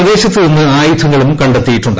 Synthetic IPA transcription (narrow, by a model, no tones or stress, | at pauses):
ɐðe̞ːɕɐt̪ːilinːɨaːjut̪ʰːɐŋːɐɭumkɐɳɖɐt̪ːijiʈːuɳɖ